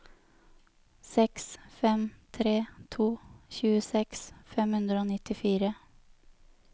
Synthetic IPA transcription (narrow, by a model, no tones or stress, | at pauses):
sɛksfɛmt̪ʰɾeːt̪ʰuːçʉːəsɛksfɛmhʉnd̪ɾəoːnɪt̪ɪfiːɾə